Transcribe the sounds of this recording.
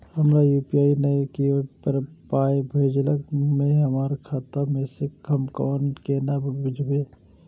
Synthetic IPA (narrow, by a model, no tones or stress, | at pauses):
həmɾajuːpiaːinəkipəɾpaːjbʱeɪd͡ʒləkmẽɦəmaːɾkʰaːt̪amẽsekəmkɔːnkenabbʱʊd͡ʒʱɡe